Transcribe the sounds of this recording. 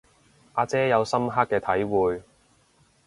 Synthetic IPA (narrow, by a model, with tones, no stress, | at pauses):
ʔaː˧t͡sɛː˥jɐ˨˧wsɐ˥mɦa˥kːɛː˧t̪ʰɐ˨˥jwuː˨˧j